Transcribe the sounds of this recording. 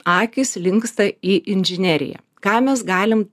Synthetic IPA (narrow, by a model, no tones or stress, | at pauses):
ɑːkʲɪsʲlʲɪŋkst̪ɐiːʔɪnʲʒʲɪnʲæɾʲɪ̰jɛ̰ | kɑːmʲɛs̬ɡɑːlʲɪm